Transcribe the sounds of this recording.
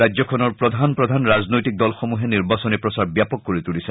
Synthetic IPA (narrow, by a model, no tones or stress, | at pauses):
ajzɔkʰɔnɔɹpɹɔd̪ʱanpɹɔd̪ʱanɹad͡znojt̪ik̚d̪ɔlxomuɦeniɹbasɔnipɹɔsaɹbjapɔkːoɹit̪ulisɛ